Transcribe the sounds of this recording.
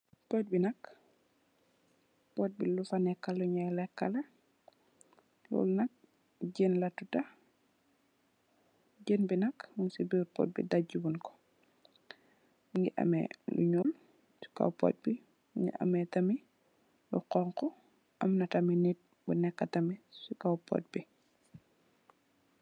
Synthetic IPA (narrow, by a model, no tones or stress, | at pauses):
pɔt̚binɐk | pɔt̚bilufanɛkːaluɲajlɛkːalɐ | lɔ̰lnɐk̚ | ɟenlɐtuta | ɟenbinɐkmunsibipɔ̰t̚bḭdaɟubunkɔ̥ | ŋɡiʔa̰mɛ̰lṵɲul | su̥ka̰wpo̰t̚bi | ɲḭʔa̰mɛtɐmi | lṵqɔŋkɔ | ʔɐmnɐtɐminit̚ | bunɛkːatɐmisukawpɔ̰t̚bi